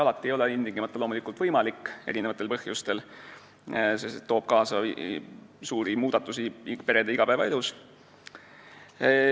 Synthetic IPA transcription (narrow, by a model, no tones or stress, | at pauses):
ɑlɑt̪ːˑie̞jo̞leind̪iŋɡ̥imɑt̪ːˑɑlo̞ːmulikːˑult̪vɤjmɑlikːˑe̞ɾine̞vɑt̪ˑːelpɤhjust̪e̞l | sest̪et̪ːo̞ːb̥kɑːsɑ | suːɾimuːd̪̥ɑt̪ːˑusipe̞ɾe̞d̪eiɡ̥ɑpæːvɑe̞lus